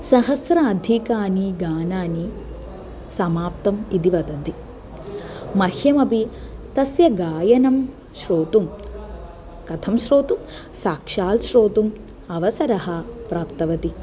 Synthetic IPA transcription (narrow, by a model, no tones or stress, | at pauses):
sɐɦɐsɾɐɐd̪ʱikaːniɡaːnaːni | sɐmaːpt̪ɐmid̪iʋɐd̪ɐd̪i | mɐhjɐmɐbit̪ɐsjɐɡaːjɐnɐm | ʃɾoːt̪um | kɐt̪ʰɐmʃɾoːt̪um | saːkʂaːlʃɾoːt̪um | ɐʋɐsɐɾɐɦɐpɾaːpt̪ɐʋɐt̪i